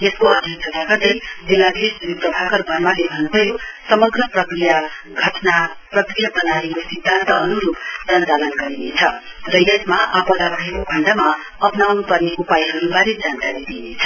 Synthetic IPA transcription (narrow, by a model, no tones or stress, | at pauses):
jeskoʌd̪ʱjʌnd͡zʌd̪aɡʌrd̪ʌjd͡zilːad̪esit̪ʌbʱakʌrbʱʌnmalebʱʌnpʰʌjosʌmʌɡrʌprʌkrija | ɡʱʌʈnaprʌkrijabʌnaekosid̪ʱːant̪ʌʌnuɾupd͡zʌntalʌnɡʌɾinḛt͡sʰʌ | rʌjʌsmaʔapʌd̪abʱʌɦekoɡʱʌɳɖama | ʌpnawnupʌrneʔupajɦʌɾubaɾed͡zankaɾid̪inet͡sʰʌ̥